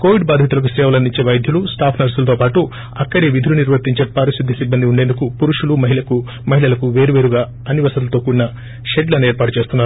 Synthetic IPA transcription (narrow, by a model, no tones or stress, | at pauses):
koːʋiɖbaːd̪ʱjɐt̪ulɐkusɾɛːʋɐlɐniɲt͡ʃeːʋɐjd̪ʱjulusʈaːpʰnɐɾsulɐt̪o̞ːpaːʈu | ɐkːɐɽeːʋid̪ʱuluniɾʋɐɾt̪iɲt͡ʃeːpɐɾisid̪ːisibːɐnd̪iuɳɖend̪ukupuɾuʂulumɐɦilɐku | mɐɦilɐlɐkuʋe̞ːɾuʋe̞ːɾuɡaː | ɐniʋɐsɐt̪lɐt̪oːkuɽinɐ | ʃeɖlɐneːɾpaːʈut͡ʃeːst̪unːaːɾuu